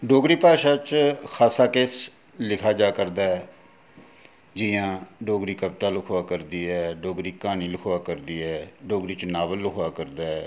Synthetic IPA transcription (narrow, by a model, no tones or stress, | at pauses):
ɖoːɡɾiːpaːʃaːt͡ʃkʰaːsaːkeːs | lɪkʰaːd͡ʒaːkəɾd̪aːɛː | d͡ʒiːãːɖoːɡɾiːkəbt̪aːlʊkʰoaːkəɾd̪iːɛːɖoːɡɾiːkaːñiːlʊkʰoaːkəɾd̪iːɛːɖoːɡɾiːt͡ʃnaːʋəlːʊkʰoaːkəɾd̪aːɛː